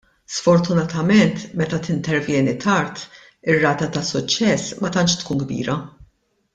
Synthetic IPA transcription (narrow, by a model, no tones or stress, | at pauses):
sfɔɾt̪ʊnɐt̪ɐmɛnt̪mɛt̪ɐt̪ɪnt̪ɛɾvjɛːnit̪ʰɐɾt̪ | ɪrːɐːt̪ɐt̪ɐsʊt͡ʃːɛsːmɐt̪ɐnt͡ʃt̪kuːnɡbḭːɾɐ